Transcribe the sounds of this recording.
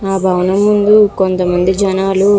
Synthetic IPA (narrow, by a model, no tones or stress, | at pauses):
aːbʱɐwnɐmːund̪ukont̪ɐmɐnd̪id͡ʒɐnaːlu